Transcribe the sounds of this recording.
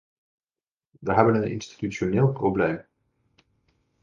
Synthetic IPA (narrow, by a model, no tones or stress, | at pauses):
ʋəɦɛbənənɪ̰nsti̥tyt͡ʃonɪːlˠprowblejm